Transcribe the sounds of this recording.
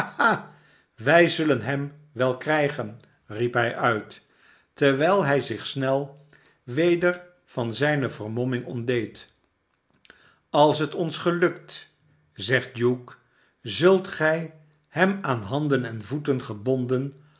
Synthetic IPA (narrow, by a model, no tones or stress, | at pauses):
a | ʋɛjzɵlənɦɛm | ʋɛlˠkrɛjχən | ripɦɛjʔœɥt | təɹʋɛjlˠɦɛjzɪχsnɛlˠ | ʋejdəɹ | v̥ɑnzɛjnəvərmɔmɪŋɔndejt | ɑlˠsɦətɔnsχəlɵkt | zɛχt̚juk | zɵlˠtχɛj | hɛmaːnɦɑndənɛnvutənχəbɔndən